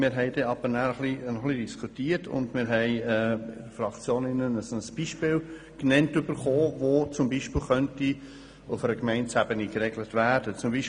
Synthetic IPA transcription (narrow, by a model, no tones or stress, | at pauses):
mɪːɾɦɛɪdɛːɑb̥ənæːɾəχlinɔχlidiskʰutiːətʰʊ̰ndmɪːɾɦɛɪɛːfɾɑkt͡sjoːnɪnənəsonəsb̥iʃpɪːl | knɛntʏbəɾχoːvoːt͡sʊmbiʃpɪːlχœnti | ʊfəɾəkmɛɪnt͡sæbənikɾɛɡlətvæːd̥ət͡sʊmbiʃ